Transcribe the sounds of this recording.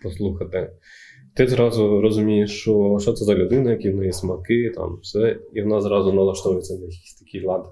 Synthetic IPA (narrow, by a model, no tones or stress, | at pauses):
pɔslˠuxɐt̪ɪ | t̪ɪzɾɑzʊɾɔzʊmʲijɪt͡ʃɔʃt͡ʃɔt̪sɛzɐlʲʊd̪ɪnɐjɐkʲiʋnajɛsʲmɐkɪt̪a̰mfsɛiʋɔnazɾɑzʊɔnɐlˠɐʃt̪ɔʋʊjet͡sʲːɐnɐjɐkʲi̥sʲt̪ɐkʲijlˠɑd̪